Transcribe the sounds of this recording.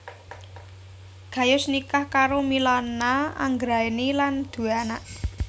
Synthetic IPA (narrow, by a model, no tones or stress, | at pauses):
ɡ̥ä̤jʊsnikahkaɾomilɔnːaa̰ŋɡɾaeniland̪̥ṳanaʔ